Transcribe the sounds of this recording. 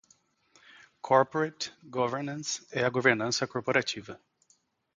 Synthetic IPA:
kʰɔɾpoɾetɡɔveɾnɐ̃sɛɐɡoveɾnɐ̃sɐkoɾpoɾat͡ʃivɐ

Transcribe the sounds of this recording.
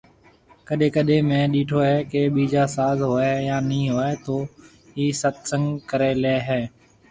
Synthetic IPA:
kəɗẽːkəɗẽːmẽːɗiːʈʰoːɦɛːkeːɓiːd͡ʒaːsaːzɦoːeːjãːnĩːɦoːeːt̪oː | ɦiːsət̪sə̃ŋɡkəɾeːleːɦɛː

